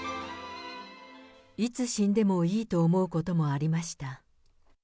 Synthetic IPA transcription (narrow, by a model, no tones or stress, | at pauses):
it͡sɨɕĩnd̪e̞mo̞iːt̪o̞ːmo̞ɯ̟ko̞t̪o̞mo̞aɾʲimaɕi̥t̪a